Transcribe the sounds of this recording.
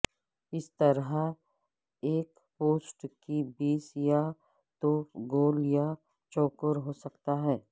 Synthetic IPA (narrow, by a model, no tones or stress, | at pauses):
ɪst̪ɐɾɦa | eːk | poːsʈkibiːsja | t̪oːfɡoːlja | t͡ʃɔːkəɾɦosɐkt̪aɦɛː